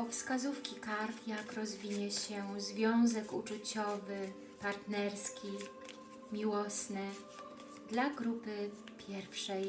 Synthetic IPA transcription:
pɔfskazufkʲikaɾfjakɾɔzvʲiɲɛɕɛzvʲjɔ̃w̃zɛkut͡ʂut͡ɕɔvɘ | paɾt̪nɛɾskʲi | mʲiwɔsnɘ | d̪laɡɾupɘ | pʲʰjɛɾfʂɛj

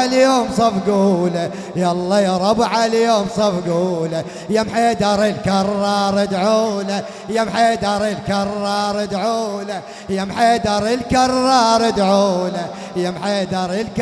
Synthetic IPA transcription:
ljoːmsˤɑfɡuːla | jɑlˤːɑjɑɾˤɑbʕaljoːmsˤɑfɡuːla | jamħeːd̪ɑɾˤilkɑrˤːɑːɾˤɑd̪ʕuːla | jamħeːd̪ɑɾˤilkɑrˤːɑːɾˤɪd̪ʕuːla | jamħeːd̪ɑɾˤilkɑrˤːɑːɾˤɪd̪ʕuːla | jamħeːd̪ɑɾˤilk

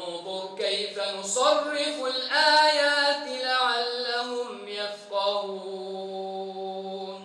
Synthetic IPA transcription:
t̪ˤuːkajfanʊsˤɑrːɪfʊlʔaːjaːt̪laʕalːaɦʊm | jafqɑɾuː | n

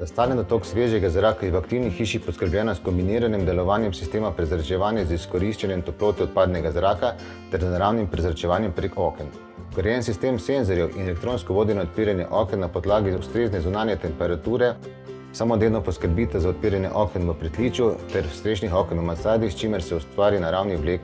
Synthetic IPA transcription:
d̪ast̪aːlɛnd̪ɔt̪oːksʋeːʒɛɡazɾaːkajɛwakt̪iwnixːiːʃixpɔskəɾblɛːnaskɔmbiniːɾanɛmd̪ɛlɔʋaːnjɛmsi̥st̪eːmapɾɛzɾat͡ʃɛʋaːnjɛziskɔɾiʃt͡ʃanjɛnt̪ɔploːt̪ɔɔt̪̚paːd̪nɛɡazɾaːka | t̪ɛɾznaɾaːwnimpɾɛzɾat͡ʃɛʋaːnjɛmpɾekɔːkɛn | kəɾjɛːnsist̪eːmseːnzɔɾjɛwʔinɛlɛk̚t̪ɾoːnskɔʋoːd̪inɔɔt̪̚piːɾanjɛ̰ʔɔːkɛnnːapɔd̪laːɡiust̪ɾeːznɛzunaːnjɛt̪ɛmpɛɾat̪uːɾɛ | samod̪ed̪nɔpɔskəɾbiːt̪azaɔt̪̚piːɾanjɛ̰ʔɔkɛnʋəpɾɛt̪liːt͡ʃut̪ɛɾst̪ɾeːʒnixɔkɛnəmasaːd̪ist͡ʃimɛɾsɛust̪ʋaːɾinaɾaːwnibleːk

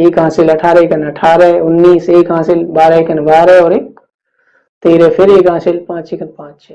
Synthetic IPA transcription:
eːkɦãːsilɐʈʰaːɾekənɐʈʰaːɾɛʊnːiːseːkɦãːsilbaːɾəekənʋaːɾɛɔːɾek | t̪eːɾepʰɪɾeːkãːselpãːt͡ʃekʰənpãːt͡ʃt͡ʃʰe

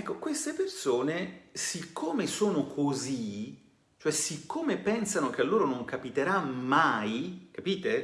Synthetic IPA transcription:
ɛkːokwest̪epersoːnesikʰːoːmesoːnokʰozi | t͡ʃoɛsikːoːmepɛnsanok̟ealːoːɾonoŋkapit̪eɾamajkapiːt̪e

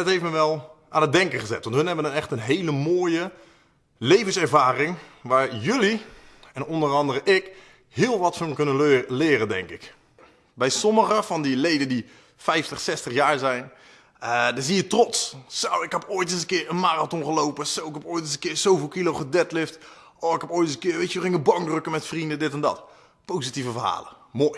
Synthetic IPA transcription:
thejftməʋɛlˠʔaːnəd̚dɛŋkəχəzɛ̰tʋɑnthɵnɦɛbʋənənɛxtənɦejləmoːjə | lejvənsɛɹvaːrɪŋʋaːɹjɵliɛnɔndərɑndərəʔɪk | hɪːlˠʋɔtfɔnkønəlɪːrədɛ̰ŋkɪk | bɛjsɔməχəfɔndilejdəndi | fɛjftəχsɛstəχjaːɹzɛjn | ədazijətrɔtssawɪkɦɛpoːjtɪnzəkɪːrənmaːratɔnχəlowpəsowɪkhɛpoːjtɪnsəkɪːsowvɪːlˠkilowχədɛtlɪft | ʔɔːɪkhɛpoːjtɪsəkɪːɹʋejtəʋəχɪŋəbɑŋdrøkəmɛtfrindədɪtɛndɔ̰t | powsitivəvəra̰ːlə̰moːj

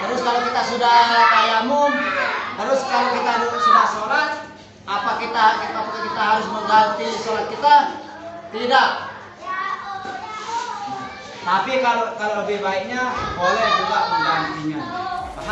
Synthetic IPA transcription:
haɾʊskalokit̪asudahkajamʊnhaɾʊskalokit̪adutsudahsoɾat̪̚ | ʔapakit̪akit̪apukakit̪aɦaɾʊsməŋɡat̪isoɾat̪̚kit̪a | t̪idaʔ | t̪apikalokaloləbɪhbaik̚ɲabolɛhd͡ʒuɡaʔməmbant̪iɲa

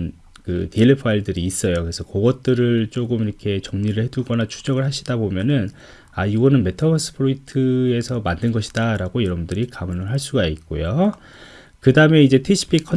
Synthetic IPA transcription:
n | kɯ̰teɭːepʰaiɭdɯɾiːs͈ʌjokɯɾesʰʌkoɡʌt̚t͈ɯɾɯɭt͡ɕ͈oɡɯmiɾʌkʰe̞t͡ɕʌŋɲiɾɯɭhe̞duɭɡʌnat͡ɕʰud͡ʑʌɡɯɭhaɕʰidabomjʌnɯn | aiɡʌnɯnme̞tʰʌbʌs͈ʰɯ̥pʰoitʰɯe̞sʰʌmandɯnɡʌɕʰi̥daɾaɡojʌɾʌbundɯɾikamʌnɯɭɦaɭs͈uɡaik̚k͈o̰jo | kɯdaɯme̞id͡ʑe̞tʰiɕʰi̥pʰikʰʌ

